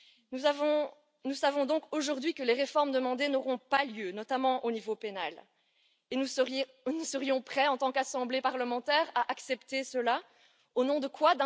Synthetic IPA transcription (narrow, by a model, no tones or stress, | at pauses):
uavɔ̃ | nusavɔ̃d̪ɔ̃koʒuʁd̪ɥikəleʁefɔʁmd̪əmɑ̃d̪enɔʁɔ̃paljønɔt̪amɑ̃ʔonivopena̰l | enu | nusəʁijɔ̃pχɛɑ̃t̪ɑ̃kasɑ̃blepaʁləmɑ̃t̪ɛːʁaʔaksɛpt̪esəla | onɔ̃d̪əkʰwad̪ɛ̃